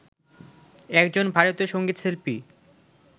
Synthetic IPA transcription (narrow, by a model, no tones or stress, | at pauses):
ɛk̚d͡ʑonbʱaɾot̪oʃoŋɡit̪selpi